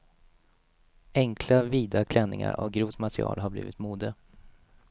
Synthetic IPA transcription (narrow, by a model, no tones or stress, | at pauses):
ɛŋkʰlaviːd̪akʰlɛnːɪŋa̰ɾɔɡɾuːt̪mat̪ʰɾɪɑ̰ːlɦabliːvɪt̪muːd̪ə